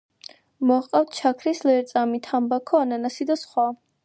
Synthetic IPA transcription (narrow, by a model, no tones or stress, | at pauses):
mɔqʼaft̪̚ʰt͡ʃʰakʰɾislɛɾt̪sʼamit̪ʰambakʰɔananasid̪asχwa